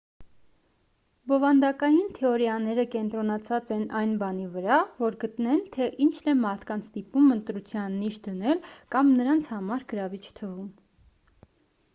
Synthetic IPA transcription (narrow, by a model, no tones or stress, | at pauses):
bɔvɑnd̪ɑkɑjint̪ʰɛɔɾjɑnɛɾəkɛnt̪ɾɔnɑt͡sʰɑt͡sɛnɑjnbɑnivəɾɑvɔɾɡət̪nɛnt̪ʰɛʔint͡ʃʰnɛmɑɾt̪ʰkɑnt͡sʰt̪ipumənt̪ɾut͡sʰjɑnːiʃ̚d̪ənɛlkɑmnəɾɑnt͡sʰhɑmɑɾɡəɾɑvit͡ʃʰt̪ʰəvum